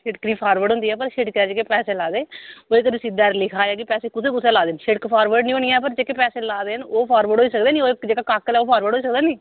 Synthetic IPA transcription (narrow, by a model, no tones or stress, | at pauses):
ʃɪʈkɾiːpʰaːɾʋəɖɦʊ̃nd̪iːɛːpəɾʃɪʈkɛːd͡ʒeːkepɛːseːlaːd̪eːoːeːkəd̪iːsɪd̪aːɾlɪkʰaːjaːkipɛːseːkʊseːkʊseːlaːd̪eːnʃɪɽkpʰaːɾʋəɾɖnĩːənijɛːpəɾd͡ʒeːkepɛːseːlaːd̪eːənoːpʰaːɾʋəɖɦoːiːsəkd̪eːnĩːoːekd͡ʒeːkaːkaːkːlɛːoːpʰaːɾʋəːɖoːiːs̬əkd̪eːniː